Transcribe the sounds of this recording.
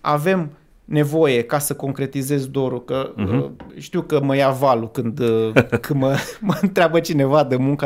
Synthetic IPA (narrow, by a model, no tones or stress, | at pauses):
a̰ve̞m | ne̞vo̞je̞kasəko̞ŋkɾe̞t̪ize̞zd̪o̞ɾukə | ʃt̪iwkəməjavalukɨnd̪kɨməmənt̪ɾʲeabət͡ʃine̞vad̪əmuŋka